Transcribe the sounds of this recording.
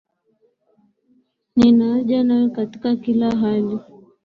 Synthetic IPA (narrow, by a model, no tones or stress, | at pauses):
ninaːʄanajɔkati̥kakilaɦali